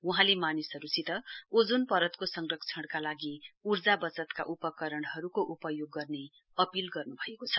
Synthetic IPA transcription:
uɦãlemanisɦʌɾut͡sʰit̪ʌod͡zunpʌɾʌt̪kosʌŋrʌkt͡sʰʌɽ̃kalaɡiurd͡zabʌt͡sʌt̪ka̰ʔupʌkʌɾʌɽ̃ɦʌɾukoʔupʌjoɡːʌrne | ʌpilɡʌrnubʱʌekot͡sʰʌ̥

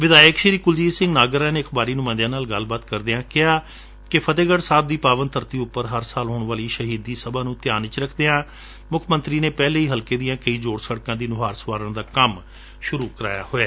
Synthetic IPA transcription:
ʋɪd̪aːjəkʃiɾiːkʊld͡ʒiːsɪ̃ŋɡnaːɡəɾaːneːəkʰbaːɾiːnũːmə̃nd̪jãːnaːlɡəlbaːt̪kəɾd̪eːãːkɪaː | kɪpʰət̪eːɡəɽsaːb̚d̪iːpaːʋənt̪ʰəɾt̪iːʊpːəɾɦəɾsaːlɦoːɳʋaːliːʃəɦiːd̪iːsəbaːnũːt̪ɪjaːnɪt͡ʃɾəkʰd̪eːãː | mʊkʰmənt̪ɾiːneːpɛːleːiːɦəlkeːd̪ijãːkəiːd͡ʒoːɽsəɽkãːd̪iːnʊɦaːɾsʋaːɾəɳd̪aːkəm | ʃʊɾuːkəɾa̰ːja̰ːhoːeː

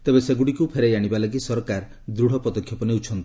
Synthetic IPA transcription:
t̪ebeseɡuɽikupʰeɾajaɽ̃ibalaɡisɔɾkaɾ | d̪ɾuɽ̤ɔpɔd̪ɔkʰjɔpɔniut͡ʃʰɔnt̪i̥

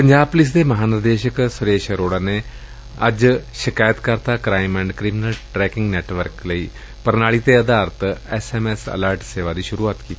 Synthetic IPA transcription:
pə̃ɲd͡ʒaːb̚pʊlɪs̬d̪eːməɦaːnəɾd̪eːʃəksʊɾeːʃəɾoːɽaːne | ə̰d͡ʒʃɪkaːjət̪kəɾt̪aːkɾaːɪmɛ̃ːɳɖkɾɪmɪnəlʈɾɛːkɪ̃ŋɡnɛːʈʋəɾkləiː | pəɾnaːɭiːt̪eəd̪aːɾt̪ɛːsɛːmɛːsə̰ləːɾʈseːʋaːd̪iːʃʊɾuːaːt̪kiː

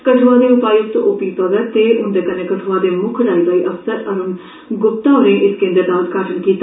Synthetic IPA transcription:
kəʈʰʋaːd̪eːʊpaːiʊst̪õ̰ːʔopiːpəʋət̪eːʔʊnd̪eːkəneːkəʈʰoʋaːd̪eːmʊkʰɾaːiːbaːiːʔəfsəɾəɾʊn | ɡʊp̚t̪ãːoɾẽːʔɪskẽnd̪əɾd̪aːəd̪kaɾʈʰənkiːt̪ː

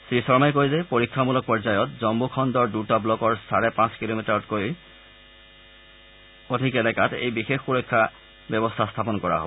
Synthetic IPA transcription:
sɹisɔɹmajkojzɛpoɹikʰːamulɔk̚pɔɹzajɔtzɔmbukʰɔndɔɹdutablɔkɔɹsaɹɛpãskilomitaɹɔtkoj | odʱikɛlɛkatḛjbixexxuɹɔjkʰːa | bɔbɔstʰastʰap̬ɔnkɔɹa̰ɦo̰b

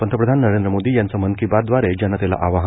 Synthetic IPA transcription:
pənt̪ʰɾəpɾəd̪ʱanːəɾẽnd̪ɾəmod̪iːjant͡səmənkibat̪d̪ʋaɾɛd͡ʑanːat̪jala̰ʔaʋaɦ

